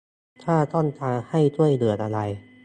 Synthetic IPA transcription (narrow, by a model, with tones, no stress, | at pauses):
t̪ʰaː˥˩t̪ɔː˥˩nt̪ʰaː˧ŋha˥˩jt̪u˥˩əjlɯ˨˩ət̪̚ʔa˧ɾa˧j